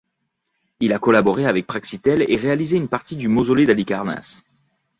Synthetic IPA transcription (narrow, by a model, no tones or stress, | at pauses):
ilakɔlabɔʁeavɛk̚pχaksit̪ɛleʁealizeynpaʁt̪id̪ymozoled̪alikaʁna̰s